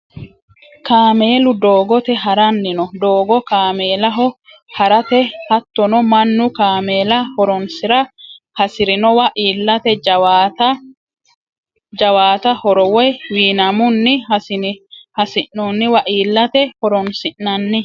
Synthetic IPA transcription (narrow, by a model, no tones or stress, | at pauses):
kaːmeːlʊd̪oːɡɔt̪ɛɦɐɾɐnːɪnɔd̪oːɡɔkaːme̞ːlɐɦɔ | hɐɾɐt̪ɛhɐt̪ːɔnɔmɐnːʊkaːmeːlɐhɔɾɔnsɪɾɐ | hɐsɪɾɪnɔwɐʔiːlːɐt̪ɛd͡ʒwat̪ɐ | d͡ʒɐwaːt̪ɐhɔɾɔwɔjwiːnɐmʊnːɪ | hɐsɪʔːɔnːɪwɐʔiːlːɐt̪ɛhɔɾɔnsɪnːɐnːɪ